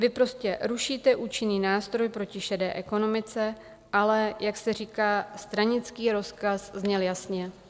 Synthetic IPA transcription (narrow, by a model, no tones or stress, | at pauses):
vɪpɾo̞scɛɾuʃiːt̪ɛʔuːt͡ʃɪniːnaːst̪ɾo̞jpɾo̞cɪʃɛdɛːʔɛko̞no̞mɪt͡sɛ | ʔalɛjaksɛr̝iːkaːst̪ɾaɲɪt͡skiːɾo̞skaszɲɛljasɲɛ